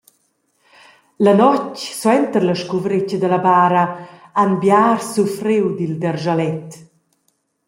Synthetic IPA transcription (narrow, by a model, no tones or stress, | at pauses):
lənɔcswɛnt̪əɾləʃkuvɾecəd̪əlabaːɾəanbjaːrsufɾiwd̪ild̪ɛrʒalɛt